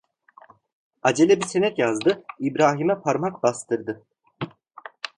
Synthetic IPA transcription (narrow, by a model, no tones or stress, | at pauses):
ad͡ʒelʲɛbisenɛt̪jazd̪ɯibɾaːɦimɛpʰaɾmakbast̪ʰɯɾd̪ɯ